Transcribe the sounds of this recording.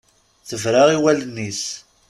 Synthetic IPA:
θəvɾaʁiwælənːis

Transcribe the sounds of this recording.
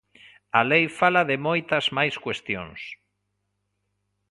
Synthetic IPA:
alejfalaðɪmojt̪ɐzmajskwest̪jo̰ŋs

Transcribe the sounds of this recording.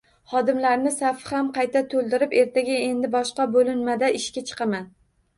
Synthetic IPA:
χɒd̪ɪmlaɾnɪsafɪhamqʰɑjt̪ʰat̪ʰolˠd̪ɪɾɪpe̞ɾt̪ʰaɡʲae̞nd̪ɪbɒʃqɑbolɪnmad̪aɪʃkʲat͡ʃʰɨ̥qʰɑman

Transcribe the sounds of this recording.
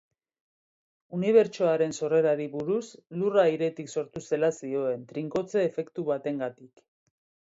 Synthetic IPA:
uniβ̞e̞ɾt͡ʃo̞aɾe̞nso̞re̞ɾaɾiβuɾusluraiɾe̞t̪ikso̞ɾt̪use̞lasio̞e̞nt̪ɾiŋko̞t͡se̞ːfe̞kt̪uβat̪e̞ŋɡat̪ik

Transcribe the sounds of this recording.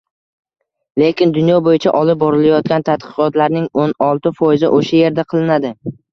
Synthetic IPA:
le̞kʲɪnd̪ʊnjɒbojɪt͡ʃʰa̰ʔɒlɪp̚bɒɾɪlajɒt̪̚kʲant̪ʰat̪̚qʰɨ̥qɒt̪laɾnɪŋonɒlˠt̪ɪfɒjɪzɪ̰ʔoʃaje̞ɾd̪aqʰɨlˠɪnad̪ɪ

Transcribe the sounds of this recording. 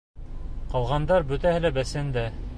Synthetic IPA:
qɑlˠʁɑnd̪ɑɾbɵ̆t̪æhɘlæbæsɘnd̪æ

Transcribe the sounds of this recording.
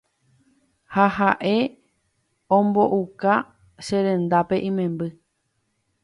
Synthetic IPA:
hahaʔe̞ | õmbo̞ʔuka | ʃeɾẽ̞nd̪ape̞ʔĩmẽ̞mbɨ

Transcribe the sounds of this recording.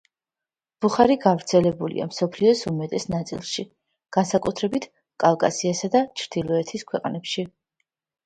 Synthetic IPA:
b̥uχaɾiɡavɾt̪sʰɛlɛbulḭa̰msɔpʰliɔsumɛt̪ʼɛsnat̪sʼḭlˠʃi | ɡ̥ansakʼut̪ʰɾɛbit̪ʰ | kʼalˠkʼasiasad̪at͡ʃʰɾd̪̥ilˠɔɛt̪ʰiskʰwɛqʼnɛpʃi

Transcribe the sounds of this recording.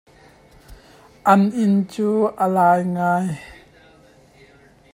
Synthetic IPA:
ʔɐnʔɪnt͡suːʔəlaːjŋaːj

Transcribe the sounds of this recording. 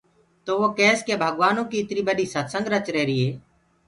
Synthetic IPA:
t̪oːʋoːkɛːskeːbʱəɠʋaːnõːkiːɪt̪niːbəɗiːsət̪səŋɡɾət͡ʃɾeːɾiːɦeː

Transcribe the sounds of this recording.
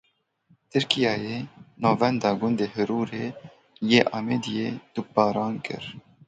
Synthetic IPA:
t̪ʰɨɾkijɑːjeːnɑːvɛnd̪ɑːɡʊnd̪eːɦɨɾuːɾeː | jeːʔɑːmed̪ijed̪̥ubɑːɾɑːnkɨ̰ɾ

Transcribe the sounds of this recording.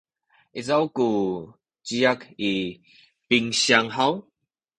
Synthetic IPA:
isawku | t͡ɕiaki | piŋɕjaŋɦaw

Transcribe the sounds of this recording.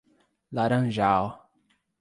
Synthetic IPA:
laɾɐ̃ʒaw

